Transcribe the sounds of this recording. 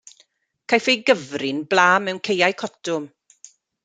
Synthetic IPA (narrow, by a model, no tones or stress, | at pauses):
kʰajfejɡəvrɪnblˠaːmɛwnkʰejajkʰɔtʊm